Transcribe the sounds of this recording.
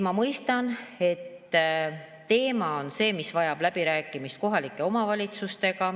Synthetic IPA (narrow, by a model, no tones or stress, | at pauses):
mɑmɤjst̪ɑne̞t̪ː | e̞ːmɑo̞nse̞ːmisvɑjɑb̥læb̥iɾæːkːˑimist̪̚ko̞ɦɑlikːˑe̞o̞mɑvɑlʲit̪sust̪e̞ɡɑ